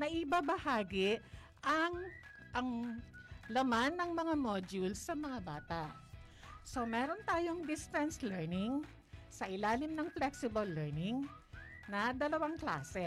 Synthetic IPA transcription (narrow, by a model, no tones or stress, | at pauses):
nɐʔɪbabɐhaːɡɪ | ʔɐŋ | ʔɐŋ | lɐmanːɐŋmɐŋamoːd͡ʒulsːɐmɐŋabaːt̪aʔ | so̞mɛːɾo̞nt̪aːjoŋd̪ɪst̪ɛnslɛɹnɪŋ | sɐʔɪlaːlɪmnɐŋflɛksɪbɐlːɛɹnɪŋ | nɐd̪ɐlɐwaŋkla̰ːsɛ